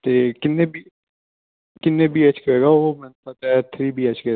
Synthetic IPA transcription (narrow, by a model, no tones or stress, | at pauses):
t̪eːkɪnːebi | kɪnːeːbʱiːɛt͡ʃkəɾeːɡaoːmɛ̃ːnpat̪ɛt̪ʰɾiːbʱiːɛt͡ʃkəɾ